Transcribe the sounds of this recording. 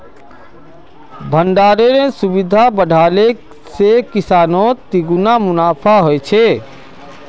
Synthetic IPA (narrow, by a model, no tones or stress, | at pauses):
bʱəɳɖaɾenesubid̪ʱabəɖʱale | sekisaːnot̪iɡunamʊnaːpʰaɦojt͡ʃʰe